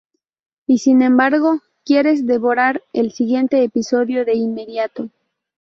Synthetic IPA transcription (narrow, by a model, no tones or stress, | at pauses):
isinẽ̞mbaɾɣo̞ | kje̞ɾe̞zd̪e̞βo̞ɾaɾelsiɣje̞nt̪e̞ːpiso̞ðjo̞ðe̞inme̞ðjat̪o̞